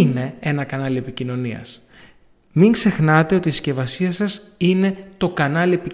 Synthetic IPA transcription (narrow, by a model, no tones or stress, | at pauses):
ne̞e̞nɐkɐnɐlie̞picino̞niɐ̰s | miŋɡze̞xnɐt̪e̞o̞t̪iːsce̞vɐsiɐsɐsine̞t̪o̞kɐnɐliepi